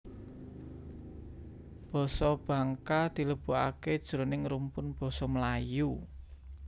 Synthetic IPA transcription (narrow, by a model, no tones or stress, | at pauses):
b̥ɔ̤sɔb̥a̤ŋkad̪̥i̤ləb̥ṳa̰ked̥ʒ̥ɾo̤nɪŋɾumpʊnb̥ɔ̤sɔmlaju